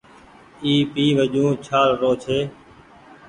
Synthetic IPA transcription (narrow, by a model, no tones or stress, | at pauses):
iːpiːʋəʄũːt͡ʃʰaːlɾoːt͡ʃʰeː